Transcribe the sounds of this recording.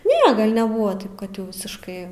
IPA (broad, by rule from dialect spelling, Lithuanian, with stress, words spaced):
ˈnʲɛ ɡɐlʲ nʲɛˈbʊʋɐ ˈtɐɪp kɐt jɛʊ ʋʲɪsʲɪʃˈkɐɪ